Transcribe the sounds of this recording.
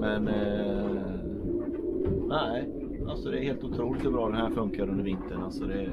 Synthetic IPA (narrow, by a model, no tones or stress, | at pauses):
mɛn | næ | ʔalsɔd̪ɛæɾheːlt̪ʊt̪ʰɾuːlɪt̪hɵbɾɑːd̪ɛnhæːɾfɵŋkaɾɵnd̪əɾvɪnt̪əɳalsɔd̪ɛ